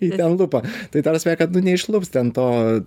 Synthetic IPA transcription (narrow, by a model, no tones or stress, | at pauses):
iːt̪ʲɛnlˠʊpɐt̪ɐɪd̪ɐrsʲʋɛːkɐt̪nʊnʲɛɪʃlˠʊpst̪ʲɛnt̪oː